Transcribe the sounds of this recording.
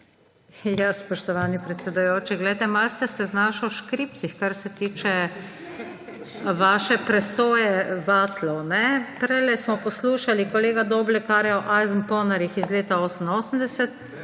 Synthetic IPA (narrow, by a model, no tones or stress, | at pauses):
jaspɔʃt̪ɔʋaːnipɾɛt̪sɛd̪ujoːt͡ʃiɡlɛjt̪ɛmalst̪ɛsɛznaːʃɔwʃkɾiːp̚t̪sixkaɾsɛt̪iːt͡ʃɛ | ʋaːʃɛpɾɛsoːjɛʋat̪lɔwnɛpɾɛlɛsmɔpɔsluːʃalikɔleːɡad̪oːblɛkaɾjɛɔʔajznpɔːnaɾixizleːt̪aoːsən̩oːsəm̩d̪ɛsɛt̪̚